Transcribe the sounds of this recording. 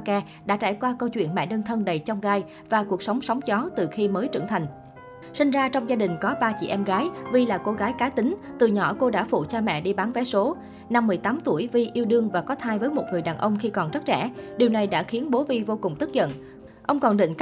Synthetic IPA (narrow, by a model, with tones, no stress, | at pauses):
kaː˧ | ɗa̰ː˧˥t͡ɕa̰ː˧˩jkwaː˧kə˧wt͡ɕwḭ˧˨ənmɛ̰˧˨ɗəː˧nt̪ʰə˧nɗə˨˩jt͡ɕɔ˧wŋ͡mɣaː˧j | vaː˨˩ku˨˩ək̚swŋ͡msə˨˦wŋ͡mzɔ˨˦t̪ɨ˨˩xi˧məː˨˦jt͡ɕɨ̰˧˩ŋt̪ʰa˨˩jŋ̟ | si˧ŋ̟zaː˧t͡ɕɔ˧wŋ͡mzaː˧ɗï˨˩ŋ̟kɔ˨˦ɓaː˧t͡ɕḭ˧˨ʔɛ˧mɣaː˨˦jvi˧laː˨˩ko˧ɣaː˨˦jkaː˨˦t̪ï˨˦ŋ̟t̪ɨ˨˩ɲɔ̰˧˩ko˧ɗa̰ː˧˥fṵ˧˨t͡ɕaː˧mɛ̰˧˨ɗi˧ɓaː˨˦nvɛ˨˦so˨˦ | na˧mːɨ˨˩əjt̪aː˨˦mt̪u˧˩əjvi˧ʔi˧əwɗɨ˧əŋvaː˨˩kɔ˨˦t̪ʰaː˧jvəː˨˦jmo˨˩t̚ŋɨ˨˩əjɗaː˨˩nʔə˧wŋ͡mxi˧kɔ˨˩nzə˦˥t̚t͡ɕɛ̰˧˩ɗi˨˩əwna˨˩jɗa̰ː˧˥xi˨˦ənɓo˨˦vi˧vo˧kʊ˨˩ŋ͡mt̪ɨ˦˥t̚zə̰˧˨n | ʔə˧wŋ͡mkɔ˨˩nɗḭ̈˧˨ŋ̟k